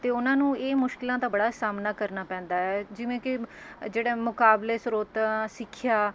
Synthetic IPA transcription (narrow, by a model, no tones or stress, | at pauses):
t̪eːʊnãːnũːeːmʊʃkɪlãːt̪aːbəɽaːsaːmnaːkəɾnaːpɛ̃ːnd̪aːɛːd͡ʒɪʋẽːkɪd͡ʒeːɽeːmʊkaːbleːsɾoːt̪asɪkʰːjaː